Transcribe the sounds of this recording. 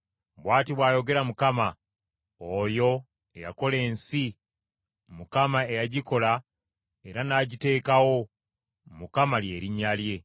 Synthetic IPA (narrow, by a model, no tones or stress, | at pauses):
bwaːtiβwaːjo̞ɡe̞ɾamukama | ojo̞ | e̞ja̰ko̞le̞ːnsi | mukamae̞jaɟiko̞la | e̞ɾanaːɟite̞ːkawo̞ | mukamalje̞ːɾiɲːalje̞